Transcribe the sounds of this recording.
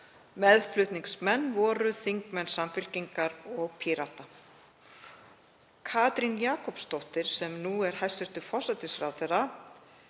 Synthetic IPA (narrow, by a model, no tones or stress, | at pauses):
mɛðflʏt̪niŋksmɛnːvɔːɾʏθiŋkmɛnsamfʏl̥ciŋkaɾɔɣpʰiɾat̪a | kʰaːt̪ɾinjaːkɔpst̪ɔwht̪ɪɾ̥sɛmnuɛɾ̥hajst̪ʏst̪ʏfɔ̥sɛt̪ɪsɾawθɛra